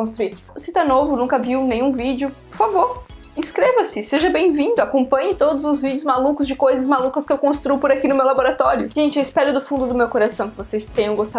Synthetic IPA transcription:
õst̪ɾuiɾ | ʊsĩt̪ɛnovʊnũkɐviwnẽj̃ũvid͡ʒɪʊpoɾfavoɾ | ĩskɾevɐsɪseʒɐbẽj̃vĩnd̪ʊakõpɐ̃ɲɪt̪od̪ʊzʊzvid͡ʒɪʊzmalukʊzd͡ʒɪkojzɐzmalukɐskɪewkõst̪ɾupʊɾakinʊmewlaboɾat̪ɔɾjʊʒ̥ẽnt͡ʃɪewispɛɾʊd̪ʊfũnd̪ʊd̪ʊmewkoɾasɐ̃w̃kɪvosejst̪ẽɲɐ̃w̃ɡost̪a

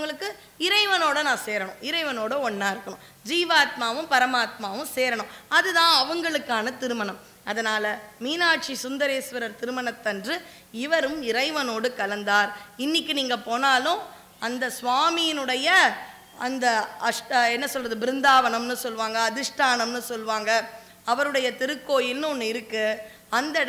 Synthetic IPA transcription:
ɐɐŋɡɐɭɯkːɯ | ɪɾɐɪʋɐnoːɽɐnãːseːɾɐɳʊ̃ɪɾɐɪʋɐnoːɽɐɔɳːãːɪɾɯkːɐɳʊ̃ | d͡ʒiːʋaːt̪̚maːʋɯ̃mpɐɾɐmaːt̪̚maːʋɯ̃mseːɾɐɳʊ̃ɐðɯðãːɐʋɐŋɡɐɭɯkːaːnɐt̪ɪɾɯmɐnɐm | ɐðɐnaːlɐmiːnaːʈʂisʊnd̪ɐɾeːsʋɐɾɐɾt̪ɪɾɯmɐɳɐt̪ːɐndrɯ | ɪʋɐɾɯmɪɾɐɪʋɐnoːɽɯkɐlɐnd̪aːɾɪnːɪkːɯniːŋɡɐpoːnaːlʊ̃ | ɐnd̪ɐsʋaːmɪjɪnɯɽɐjɐ | ɐnd̪ɐɐʂɛnːɐsɔlrɐðɯbɪɾɪnd̪aːʋɐnɐmnɯsɔlʋaːŋɡɐːðɪʂʈaːnɐmnɯsɔlʋaːŋɡɐ | ɐʋɐɾɯɽɐjɐt̪ɪɾɯkːoːjɪlnɯɔnːɯɪɾɯkːɯ | ɐnd̪ɐ

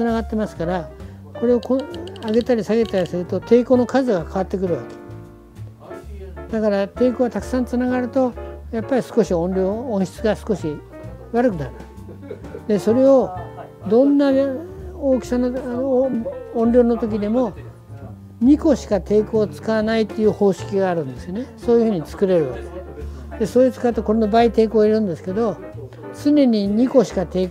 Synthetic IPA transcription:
t͡sɨnaɡat̪ːe̞masɨ̥kaɾa | ko̞ɾe̞o̞koaɡe̞t̪aɾʲisaɡe̞t̪aɾʲisɨɾɯ̟t̪o̞t̪ʰe̞ːko̞ːno̞kazɨɡakʰaβ̞at̪ːe̞kɯ̟ɾɯ̟βa̰ke̥ | d̪akaɾat̪e̞ːko̞ːβat̪akɯ̟̥sãnt͡sɨnaɡaɾɯ̟t̪o̞japːaɾʲisɨ̥ko̞ɕiõ̞nɾʲo̞ːõɰ̃ɕi̥t͡sɨɡasɨ̥ko̞ɕi | βaɾɯkɯ̟nan | d̪e̞so̞ɾe̞o̞ | d̪õ̞nːa | oːkʲi̥sano | õnɾʲo̞ːno̞t̪o̞kʲid̪e̞mo̞ | ɲ̟ʲiko̞ɕi̥kat̪e̞ːko̞ːt͡sɨ̥kaβanait̪ːejɯ̟ːho̞ːɕi̥kʲiɡaːɾɯ̟̃nd̪e̞sɨjo̞ne̞so̞ːjɯhɯ̟ːɲ̟it͡sɨ̥kɯ̟ɾe̞ɾɯ̟βa̰ked̪̥e̞soːit͡sɨ̥kaɯ̟t̪oko̞ɾe̞no̞bait̪e̞ːko̞ːiɾɯ̟̃nd̪e̞sɨ̥ke̞d̪o̞ | t͡sɨne̞ɲ̟iɲ̟iko̞ɕi̥kat̪e̞ː

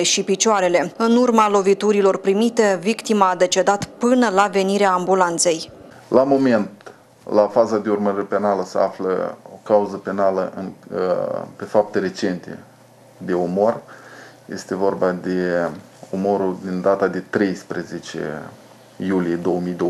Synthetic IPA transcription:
eʃipit͡ʃoaɾe̞le̞ɨnurmalo̞vit̪uɾilo̞rpɾimit̪e̞vikt̪imaːd̪e̞t͡ʃe̞d̪at̪pɨnəlave̞niɾeaːmbulant̪se̞j | lamo̞me̞nt̪ | lafazad̪e̞urməɾipe̞naləsəa̰flə̰o̰kauzəpe̞naləʔɨn | pe̞fap̚t̪e̞ɾe̞t͡ʃe̞nt̪ḛ | d̪e̞omo̞r | je̞st̪e̞vo̞rbad̪e̞ | omo̞ɾud̪ind̪at̪ad̪e̞t̪ɾe̞jspɾeze̞t͡ʃḛ | julije̞d̪o̞wəmijd̪o

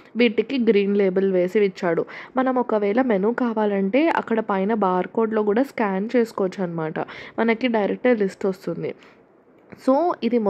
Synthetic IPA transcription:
ʋiːʈikiɡɾiːnle̞ːbɐlʋe̞ːsiʋit͡ʃːaːɽumɐnɐmɔkɐʋɛːɭɐmenuːkaːʋaːlɐɳʈe̞ːʔɐ̰kːɐɽɐpɐjnɐbaːɾko̞ːɾɖloːkuːɽaːskaːnt͡ʃe̞ːsu̥koːɐt͡ʃːuɐnːɐmaːʈɐ̰mɐnɐkiɖɐjɾek̚ʈɡɐɾlisʈost̪und̪ḭ | soːid̪im

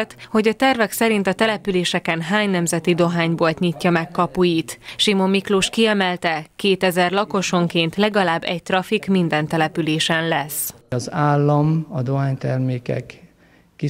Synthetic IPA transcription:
t̪ho̞ɟɒt̪ɛrvɛksɛɾint̪ɒt̪ɛlɛpyleːʃɛkɛnɦaːɲnɛmzɛt̪id̪o̞ɦaːɲboːlt̪ɲicːɒmɛkːɒpujit̪ʃimo̞mːikluːʃkiɛmɛlt̪ɛkeːt̪ɛzɛrlɒko̞ʃo̞ŋkeːnt̪lɛɡɒlaːbːɛ̰c̚t̪rɒfikmind̪ɛnt̪ɛlɛpyleːʃɛnlɛsɒzaːlːɒmɒd̪oɦaːɲt̪ɛrmeːkɛ̰kː | i

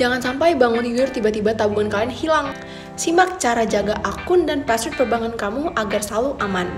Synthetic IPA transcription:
d͡ʒaŋansampajbaŋʊnjujʊrt̪ibat̪ibat̪abuŋankalinhilaŋ | simak̚t͡ʃaɾad͡ʒaɡaʔakʊndanpasɪt̪̚pərbaŋʊnkamuʔaɡarsaluʔaman

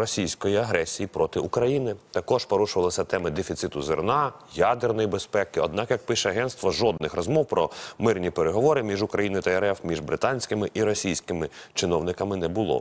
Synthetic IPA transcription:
ɾɔsʲijsʲkɔjiɐɦɾɛsʲijipɾɔt̪ɪʊkɾɐjinɪt̪ɐkɔʒpɔɾuʃʊʋɐlˠɐsʲɐt̪ɛmɪd̪efʲit̪sɪt̪ʊzɪrnɑjad̪ernɔjibespɛkɪɔ̰d̪̚nɑkjɐk̚pɪʃɛɐɦɛnt̪st̪ʋɔʒɔd̪nɪxrɔzmɔwpɾɔmɪrnʲipeɾeɦɔʋɔɾɪmʲiʒʊkɾɐjinɔjʊt̪ɐɛɾɛfmʲiʒbɾɪt̪ɑnʲsʲkɪmɪʔiɾɔsʲijsʲkɪmɪt͡ʃɪnɔwnɪkɐmɪnɛbʊlˠɔ̰

